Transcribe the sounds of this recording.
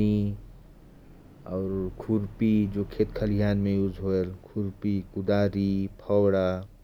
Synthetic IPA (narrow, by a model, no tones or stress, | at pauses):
i | ɔːɾkʰuɾpid͡ʒoːkʰeːt̪kʰəlijaːnmẽjud͡ʒʱɦoelkʰuɾpikʊd̪aːɾipʰɔwɽa